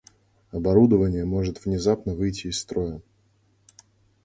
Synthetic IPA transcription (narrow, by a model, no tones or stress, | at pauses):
ɐbɐɾud̪əvənʲɪjəmo̞ʐɨt̪v̥nʲɪzapnəvɨjtʲɪːsːt̪ɾo̞jə